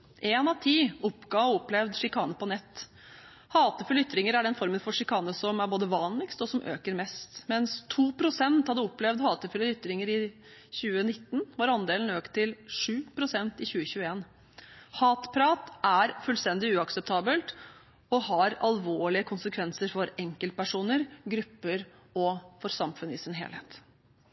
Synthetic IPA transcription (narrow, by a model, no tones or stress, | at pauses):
ʔeːnɑʋt̪ʰiːʊpːɡɑːɔɔpːlɛʋd̪ʂɪkʰɑːnəpʰɔnɛt̪ː | hɑːt̪əfʉlʏt̪ːɾɪŋəɾæɖɛnfɔɾmənfɔʂɪkʰɑːnəsɔmæɾboːd̪əʋɑːnlɪkst̪ɔsɔmʔø̰ːkəɾmɛst̪mɛnst̪ʰuːpʰɾʊsɛnt̪hɑd̪ːəɔpːlɛʋd̪hɑːt̪əfʏləʏt̪ːɾɪŋəɾɪ | çʉːənɪt̪ːnʋɑɾɑnd̪eːln̩øːkt̪ʰːɪlʂʉːpʰɾʊsɛnt̪ɪçʉːəçʉːəeːn | hɑːt̪pʰɾɑːt̪ʔæɾfʉlst̪ɛnd̪ɪʉːɑksɛp̚t̪ʰɑːbəlt̪ | ɔhɑɾɑlʋoːɭɪəkʰʊnsəkʰʋɛnsəɾfɔɾɛŋkəlt̪̚pæʂuːnəɾɡɾʉpːəɾ | ɔfɔɾsɑmfʉnəɪsɪnɦḛːlhḛːt̪